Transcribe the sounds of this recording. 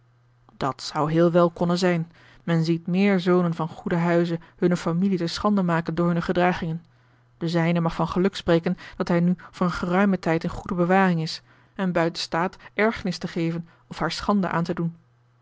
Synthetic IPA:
d̥ɑtsʌwɦɪːlˠʋɛlˠkɔnənzɛjn | mɛnzitmɪːɹzownənvɑnχudəɦœɥzəhɵnəfamilitəsχɑndəmaːkəndʊːɹɦɵnəχədraːχɪŋən | d̥əzɛjnəmɑχfɑnχəlɵksprejkənd̥ɑtɦɛjnyvʊːrənχərœɥmətɛjtənχudəbəʋaːrɪŋɪs | ɛnbœɥtənstaːtʔɛɹχənɪstəχejvən | ɔfɦaːɹsχɑndə̰ʔa̰ːntədun

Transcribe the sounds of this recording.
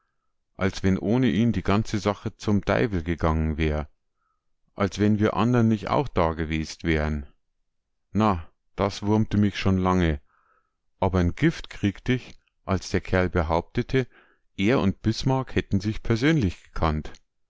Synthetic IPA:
ʔalsv̥ɛnʔoːnəʔiːmdiːɡant͡səzaχət͡sʊmd̥a̰ɪvl̩ɡəɡaŋənvɛːʁə | ʔalsv̥ɛnviːɐʔa̰ndɐnːɪçta̰ʊxd̥aːɡəveːstv̥ɛːʁən | na | d̥asv̥ʊɐmtəmɪçʃoːnlaŋə | ʔaːbɐɪnɡ̥ɪftkʁ̥iːktəɪç | ʔalsd̥eːɐkʰɛɐlbəɦaʊp̚tətʰə | ʔeːɐʊnt̚b̥ɪsmaɐkhɛtn̩zɪçpʰɛɐzøːnlɪçɡ̥ə̥kʰant

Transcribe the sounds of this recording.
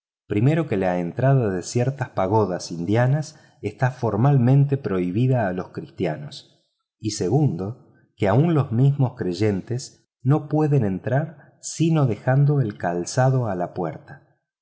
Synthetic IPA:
pɾime̞ɾo̞ke̞laent̪ɾaðaðesjeɾt̪aspaɣ̞o̞ðasind̪janas | est̪afo̞ɾmalmẽ̞nt̪epɾo̞iβ̞iðaːlo̞skɾist̪jano̞s | ise̞ɣund̪o̞ | keaunlo̞zmizmo̞skɾe̞ʒe̞nt̪es | no̞pwe̞ðene̞nt̪ɾaɾ | sino̞ðe̞xand̪o̞elkalsaðo̞alapweɾt̪ḁ

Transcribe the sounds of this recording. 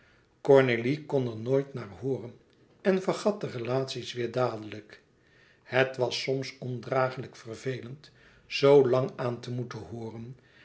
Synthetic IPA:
kɔɹnelikɔnəɹnoːjtnaːrɦʊːrən | ɛnvərχɑt̚dərelaːtsisʋɪːɹdaːdələk | hətʋɑsɔmsɔndraːχələkfərvejlənt | z̥owlɑŋaːntəmutəɦʊːrən

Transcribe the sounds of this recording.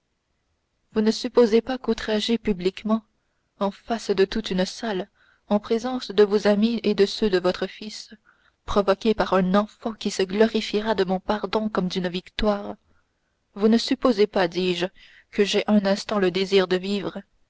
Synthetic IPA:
vunəsypozepakut̪χaʒepyblikmɑ̃ | ɑ̃fasd̪ət̪ut̪ynsal | ɑ̃pχezɑ̃sd̪əvozamied̪əsød̪əvɔt̪χəfis | pχɔvɔkʲepaʁɛ̃nɑ̃fɑ̃kʲisəɡlɔʁifiʁad̪əmɔ̃paʁd̪ɔ̃kɔmd̪ynvikt̪waːʁ | vunəsypozepad̪iːʒ | kəʒɛʔɛ̃nɛ̃st̪ɑ̃ləd̪eziːʁd̪əviːvʁə

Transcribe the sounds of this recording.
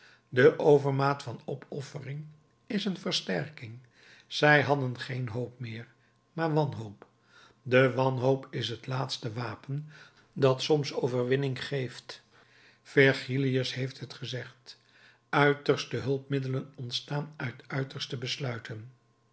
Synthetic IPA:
dəʔowvəɹmaːtfɑnɔpʰɔfərɪŋ | ɪsənvəɹstɛɹkɪŋ | z̥ɛjɦɑdənχejnɦowp̚mɪːɹ | maːɹʋɑnɦoʊp | dəʋɑnɦowpʰɪsɦətlaːtstəʋaːpən | dɑtsɔmsowvərʋɪnɪŋχejft | fɛɹχiliəsɦejftɦətχəzɛχt | œɥtəɹstəɦɵlˠpmɪdələnɔntstaːnœɥtœɥtəɹstəbəslœɥtʰən

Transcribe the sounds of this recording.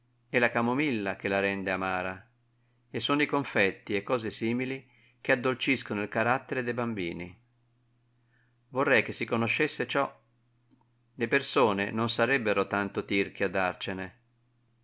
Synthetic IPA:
ɛlakamomilːak̟elaɾɛnd̪eamaːɾa | esːonoikoɱfɛt̪ːiɛkːɔːzesiːmili | k̟ead̪ːolt͡ʃiskonoilkaɾat̪ːeɾed̪ɛjbambiːnḭ | vorːɛjk̟esːikonoʃːesːet͡ʃɔ | lepersoːnḛnonsaɾɛbːeɾot̪ant̪ot̪irk̟iad̪ːart͡ʃene

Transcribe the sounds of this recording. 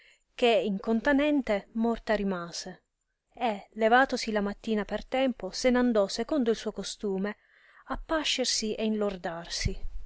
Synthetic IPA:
k̟eiŋkont̪anɛnt̪emɔrt̪aɾimaːz̥e | elevaːt̪osilamat̪ːiːnapert̪ɛmposenand̪ɔsekond̪oilsuːokost̪uːme | apːaʃːersiʔeinlord̪arsi

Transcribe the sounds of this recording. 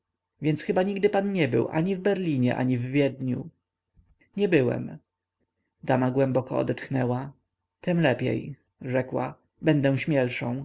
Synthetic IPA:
vʲjɛntsxɘbaɲiɡd̪ɘpanɲɛbɘ̰wʔaɲivbɛɾlʲiɲɛʔa̰ɲivːʲjɛd̪ɲṵ | ɲɛbɘwɛ̰m | d̪amaɡwɛmbɔkɔ̰ɔ̰d̪ɛt̪xnɛwa | t̪ɛmlɛpʲjɛ̰j | ʐɛkwa̰ | bɛnd̪ɛw̃ɕmʲjɛlʂɔ̃w̃

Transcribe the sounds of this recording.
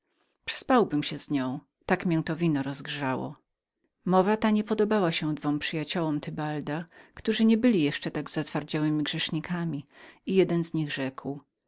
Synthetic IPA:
pʂɘ̥spawbɘmɕɛzɲɔ̃w̃ | t̪akmʲjɛ̃w̃t̪ɔvʲinɔɾɔzɡʐawɔ̰ | mɔvat̪aɲɛpɔd̪ɔbawaɕɛ̃d̪vɔmpʂɨjat͡ɕɔwɔmt̪ɘbald̪akt̪uʐɘɲɛbɘlʲijɛʂt͡ʂɛt̪aɡzat̪faɾd͡ʑawɘmʲiɡʐɛʂɲikʰamʲiijɛd̪ɛnzɲiɣʐɛkw

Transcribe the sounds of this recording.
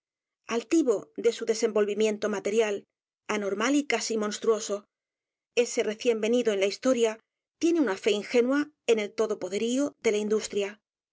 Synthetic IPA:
alt̪iβo̞ðe̞suðe̞se̞mbo̞lβimjẽ̞nt̪omat̪e̞ɾjal | ano̞ɾmalikasimo̞nst̪ɾuo̞so̞ | e̞se̞re̞θje̞mbe̞niðoe̞nlaist̪o̞ɾja | t̪je̞ne̞unafe̞inxe̞nwa | e̞ne̞lt̪o̞ðo̞po̞ðe̞ɾio̞ðe̞laind̪ust̪ɾja

